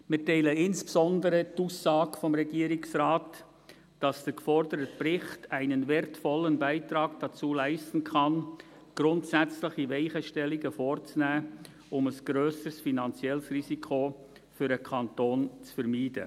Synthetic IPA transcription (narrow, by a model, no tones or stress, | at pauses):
mɪtaɪləɪnspsɔndəɾətuːsːɑːɡfɔmɾɛɡiːɾɪksraːt | d̥ɑsd̥əɾkfɔɾdəɾət̚prɪχtæɪnənvɛɾtfɔlːənbæɪtɾɑːɡd̥ɑt͡suːlæɪstn̩kʰɑn | ɡ̥ɾʊntsæt͡slɪχiʋɛɪχəʃtɛliɡəfoːrt͡snæː | ʔʊməsɡ̥ɾøːsəsfinɑnt͡sjɛlsrisikʰo | fʏɾəkʰɑntoːnt͡sfɛɾmiːdə̰